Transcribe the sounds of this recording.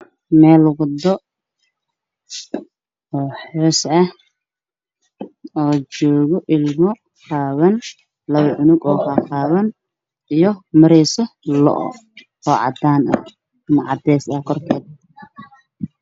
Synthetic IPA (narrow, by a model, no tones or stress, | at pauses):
mɛːld̪ɔ | ɔːħɔːsɐh | ɔːt͡ʃɔːɣɔʔɪlmɔ | qaːβɐn | lɐβɐʕʊnʊɡɔːkʰɑːqɑːβɐn | ijɔmɐɾɛːsɐlɔ̰ʔɔ̰ | ɔːʕɑ̰d̪aːnɐ̰ | ɪnʕɑ̰d̪ɛːsɐhkʰɔrkʰɛːd̪̚